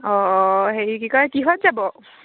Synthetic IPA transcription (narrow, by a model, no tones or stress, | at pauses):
ɔɦeɹikikɔɹakiɦɔtzabɔ